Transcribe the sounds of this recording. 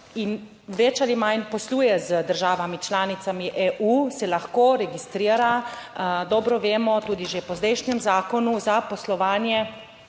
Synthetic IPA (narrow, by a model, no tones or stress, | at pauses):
in | ʋɛt͡ʃalimajnpɔsluːjɛzəd̪əɾʒaːʋamit͡ʃlaːnit̪samiʔeːʔuːsɛlaxkoːɾɛɡist̪ɾiːɾa | d̪ɔːbɾɔʋeːmɔt̪uːd̪iʒepɔzd̪ɛjʃnjɛmzaːkɔnuzapɔslɔʋaːnjɛ